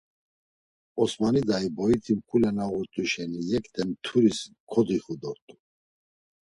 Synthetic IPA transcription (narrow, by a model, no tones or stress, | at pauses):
ɔsmanid̪aibɔit̪ʰimkʰulɛnaʁuɾt̪ʼuʃɛnijɛkʼt̪ʰʼɛmt̪ʰuɾiskʰɔd̪iχud̪ɔɾt̪ʼu